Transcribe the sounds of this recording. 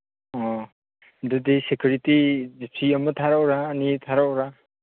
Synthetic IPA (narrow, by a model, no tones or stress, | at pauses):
ɔ | dɯdesekʰuɾitid͡ʒepʰiəmɯt̪ʰaɾawɾaːnit̪ʰaɾawɾa